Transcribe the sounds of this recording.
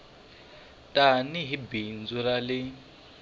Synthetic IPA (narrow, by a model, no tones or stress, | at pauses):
tʼaniɦibind͡zuɾalɪ